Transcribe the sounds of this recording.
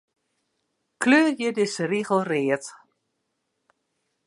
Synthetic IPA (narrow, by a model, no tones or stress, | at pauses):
kʰløːrjədɪsəriɣəl̩ˠrɪːət